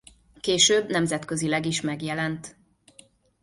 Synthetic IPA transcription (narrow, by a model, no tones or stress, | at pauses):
keːʃøːbnɛmzɛt̪køzilɛɡiʃmɛɡjɛlɛnt̪